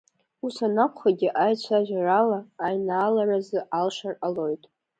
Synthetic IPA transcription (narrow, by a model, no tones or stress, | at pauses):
usanakʷʰχaɡʲɪʔajt͡ɕʷʰaʒʷᶣaralaːjnaːlarazɨʔalʂaralo̞jtʼ